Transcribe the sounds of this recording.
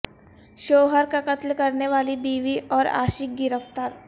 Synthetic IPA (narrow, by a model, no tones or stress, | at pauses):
ʃoːɦəɾkakɐt̪lkɐɾneʋaːlibiːʋiʔɔːɾa̰ːʃɪk̚ɡɪɾəft̪aːɾ